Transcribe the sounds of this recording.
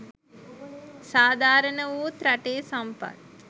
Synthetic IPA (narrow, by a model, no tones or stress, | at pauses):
saːd̪ʱaːɾənəʋuːt̪ɾaʈeːsampa̰t̪